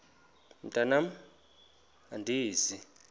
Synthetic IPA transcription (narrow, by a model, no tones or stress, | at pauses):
ntʼanam | andʱiːzi